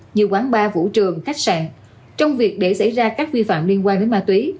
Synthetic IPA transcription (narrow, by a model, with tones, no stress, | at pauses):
ɲi˨˩əwkwaː˨˦nɓaː˧vṵ˧˥t͡ɕɨ˨˩əŋxa˦˥jk̚sa̰ː˧˨n | t͡ɕɔ˧wŋ͡mvi˨˩ək̚ɗe˧˩sa̰˧˥˩jzaː˧kaː˦˥k̚vi˧fa̰ː˧˨mli˧ənkwaː˧nɗe˨˦nmaː˧t̪wi˨˦